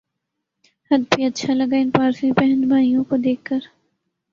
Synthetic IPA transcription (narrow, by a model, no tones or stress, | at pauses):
hɐd̪biɐtːʃʰalɐɡaːɪnpaːɾsĩpɛɦə̃nd̪bʱaːijõkod̪eːkʰːəɾ